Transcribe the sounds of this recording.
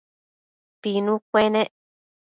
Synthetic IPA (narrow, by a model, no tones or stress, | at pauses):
pinũkʷenẽ